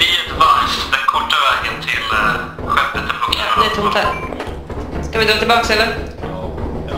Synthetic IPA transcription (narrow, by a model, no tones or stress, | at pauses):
bɪɛt̪əbaɾsd̪ɛnkʰɔʈːavɛːɡənt̪ʰɪl | ɧɛpːət̪ːɛpʰɔŋnɪt̪ʰʊt̪ʰa | skavɪd̪ɾɑːt̪ɪlbɑːksɛlːəɾ